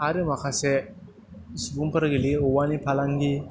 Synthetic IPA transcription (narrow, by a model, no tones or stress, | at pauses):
aɾemakʰase | sbumpəɾɡiliowanipʰalaŋɡi